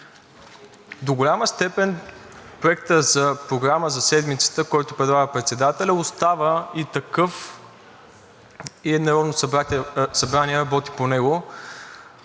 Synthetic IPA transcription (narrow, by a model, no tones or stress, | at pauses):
d̪oɡolʲaməst̪ɛpɛnpɾoɛkt̪əzɐpɾoɡɾaməzɐsɛd̪mit̪sə̥t̪əkɔjt̪ʊpɾɛd̪lˠaɡəpɾɛt̪sɛd̪at̪ɛlʲəʊst̪avəit̪ɐkɤf | iɛd̪nɐɾɔd̪no | sɐbɾaniɛɾɐbɔt̪i̥ponɛɡo